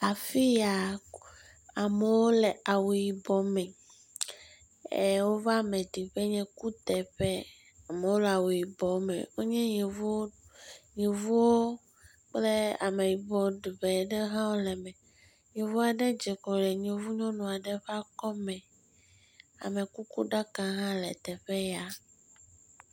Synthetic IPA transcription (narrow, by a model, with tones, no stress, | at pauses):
a˨fi˦ja˨ | a˨me˨wo˦lɛ˨a˨wu˨ji˨bɔ˨mɛ̃˨ | e˨wo˦va˦˨mɛ˨ɖi˨ɸe˦ɲɛ̃˦ku˦t̪ɛ˨ɸɛ˦ | a˨me˨wo˦lɛ˨a˨wu˨ji˨bɔ˨mɛ̰̃˨wo˦ɲɛ̃˦ɲe˨vɲẽ˨vu˦wo˦ | k͡ple˦a̰˨me˨ji˨bɔ˨ɖi˨ɸɛ˨ɖɛ˦ɦã˦wo˦lɛ˨mɛ̃˨ | ɲẽ˨vu˦a˨ɖɛ˦d͡ʒɛ˨kɔ˨lɛ˨ɲẽ˨vu˦ɲɔ̃˦nũ˨a˨ɖɛ˦ɸɛ˦a˦kɔ˦mɛ̃˨ | a̰˨me˨ku˦ku˦ɖa˦kã˦ɦã˦lɛ˨t̪ɛ˨ɸɛ˦ja˨